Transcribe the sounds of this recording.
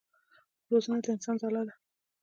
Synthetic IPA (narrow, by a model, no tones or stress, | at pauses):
ɾozənad̪əɪnsɑnzalɑd̪a